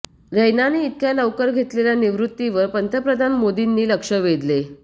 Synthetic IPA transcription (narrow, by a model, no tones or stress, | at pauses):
ɾəjnaniːt̪̚kjaləʋkəɾɡʱet̪leljaniʋɾut̪ːiʋəɾpənt̪ɾəpɾəd̪ʱanmod̪inːiːləkʂəʋed̪le